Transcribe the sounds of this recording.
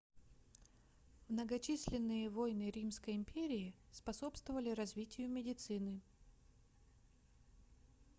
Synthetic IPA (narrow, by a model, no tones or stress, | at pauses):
mnəɡɐt͡ɕisʲlʲɪnːɨjəvojnɨɾʲimskəjɪmʲpʲeɾʲɪɪspɐso̞pst̪vəvəlʲɪɾɐzvʲitʲɪjʊmʲɪdʲɪt̪sɨnɨ